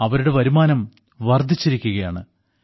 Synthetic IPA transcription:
ɐʋɐɾuɽe̞ʋɐɾumaːnɐm | ʋɐrd̪ʱit͡ɕːiɾikʲːuɣɐjaːɳɨ̰

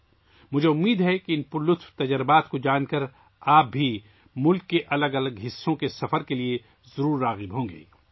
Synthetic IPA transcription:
mʊd͡ʒʱeʊmːiːd̪ɦɛkiɪnpʊlʊt̪ʰft̪ɐd͡ʒəɾbaːt̪kod͡ʒaːnkɐəɾ | aːp̚bʱi | mʊlkːeʔɐləɡɐləɡɦɪsːõkesɐfəɾkelie | zɐɾuːɾːaːɣɪbɦõːŋɡḛː

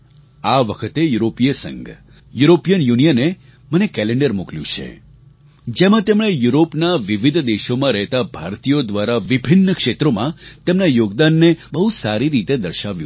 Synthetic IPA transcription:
aʋəkʰət̪ejuɾopijəsə̰ŋɡ | juɾopijənjunijəne | mənekɛleɳɖəɾmukljṵ̃t͡ʃʰḛ | d͡ʒemãt̪emɽ̃ejuɾopnaʋiʋid̪ʱd̪eʃomãɾəɦt̪abʱa̰ɾt̪ijod̪ʋaɾaʋibʱɪnːəkʃet̪ɾomã̰t̪emnajoɡd̪anːebəɦusaɾiɾit̪ed̪əɾʃaʋjṵ̃

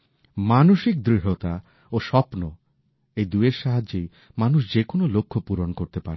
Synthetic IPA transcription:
manoʃik̚d̪ɾiɦot̪a | oʃɔpno | ejd̪ueɾʃaɦad͡ʑːej | manuʃd͡ʑekonolokʰːopuɾonkoɾt̪epaɾe

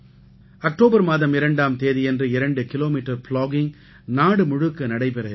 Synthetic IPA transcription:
ɐk̚ʈoːbɐɾmaːðɐmɪɾɐɳɖaːmt̪eːðijɛndrɯɪɾɐɳɖɯkɪloːmiːʈːɐɾplaːɡɪŋ | naːɽɯmʊɻɯkːɐnɐɽɐɪpɪɾɐ

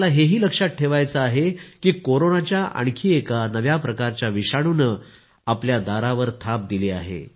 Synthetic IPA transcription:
laɦeɦiːləkʂat̪̚ʈʰeʋajt͡səaɦekiːkoɾonat͡ɕjaʔa̰ɳkʰiːekanəʋjapɾəkaɾt͡ɕjaʋiʂaɽ̃unə | apljad̪aɾaʋəɾt̪ʰap̚d̪ilea̰ɦḛ

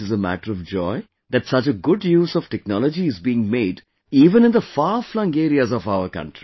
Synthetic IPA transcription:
ɪzəmæ̰ʈəɾɔʋd͡ʒɔɪ | d̪æʈsʌt͡ʃəɡʊɖjuːzɔʋʈɛknɔlɔd͡ʒiɪzbiɪ̃ŋmeːɖ | iːʋə̃nɪ̃nd̪əfaːflʌ̃ŋɡeːɾiazɔʋaʊəɾkʌ̰̃ɳʈɾi

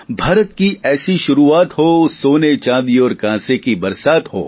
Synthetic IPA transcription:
bʱaːɾət̪kiʔɛːsiʃʊɾuaːt̪ɦoːsoːnet͡ʃãːd̪iɔːɾkãːsekibɐɾsaːt̪ho̰ː

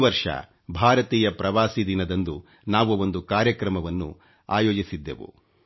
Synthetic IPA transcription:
ʋɐɾʂɐ̰ | bʱaːɾɐt̪iːjɐpɾɐʋaːsid̪inɐd̪ɐnd̪u | naːʋuo̞nd̪ukaːɾjɐkɾɐmɐʋɐnːṵ | aːjoːd͡ʒisid̪ːḛʋṵ

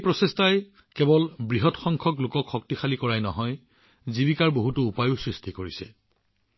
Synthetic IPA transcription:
epɹɔsestaj | kɛbɔlbɹiɦɔtxɔŋkʰɔklʊkɔkxɔk̚tixalikɔɹajnɔ̰ɦɔj | zibikaɹboɦutʊːpajusɹistʰikoɹisɛ

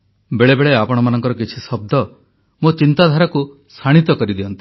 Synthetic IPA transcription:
beɭebeɭeapɔɽ̃ɔmanɔŋkɔɾɔkit͡ʃʰisɔb̚d̪ʱɔ | mot͡ʃint̪ad̪ʱaɾɔku | sʰaɽ̃it̪ɔkɔɾid̪iɔnt̪i

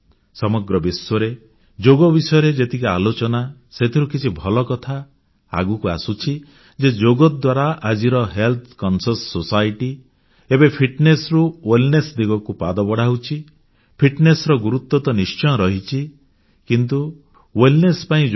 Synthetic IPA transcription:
sɔmɔɡɾɔbiswɔɾe | d͡ʒoɡɔbisɔjɔɾed͡ʒet̪ʰikialot͡ʃɔna | set̪ʰiɾukit͡ʃʰibʱɔlɔkɔt̪ʰa | a̰ɡukua̰sut͡ʃʰi | d͡ʒed͡ʒoɡɔd̪waɾaʔad͡ʒiɾɔɦelt̪ʰkɔnsɔsːosajʈi | ebepʰiʈnesɾuwelnesd̪iɡɔkupad̪ɔbɔɽaɦwt͡ʃʰi | pʰiʈnesɾɔɡuɾut̪wɔt̪ɔnist͡ʃɔ̃ɔɾɔɦit͡ʃʰi | kint̪u | welnespaĩ

